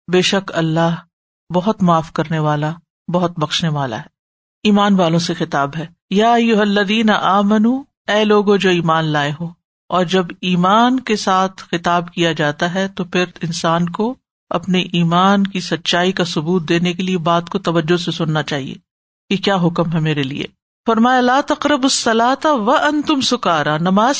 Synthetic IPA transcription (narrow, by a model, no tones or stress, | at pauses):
beːʃɐkɐlːaɦ | bɐɦʊt̪maːfkɐɾneʋaːla | bɐɦʊt̪bɐkʃneʋaːla̰ɦɛː | iːmaːnʋaːlõsexɪt̪aːbɦɛː | jaːɐjːʊɦɐlːɐðiːnaʔaːmɐnu | ɛːloːɡõd͡ʒoːiːmaːnlaːeɦoː | ɔːɾd͡ʒɐbiːmaːnkesaːt̪ʰxɪt̪aːbkijad͡ʒaːt̪aɦɛt̪opʰɪɾɪnsaːnko | ɐ̰pneʔiːmaːnkisɐt̪ːʃaːikasʊbuːt̪̚d̪eːnekeliebaːt̪kot̪ɐʋɐd͡ʒːosesʊnːat͡ʃaːɦḭḛː | kekjaːɦʊkəmɦɛmeːɾelḭḛː | fɐɾmaːjalaːt̪ɐqɾɐbɐsːɐlaːt̪aʋɐʔɐ̃nt̪ʊmsʊkaːɾaːnɐmaːz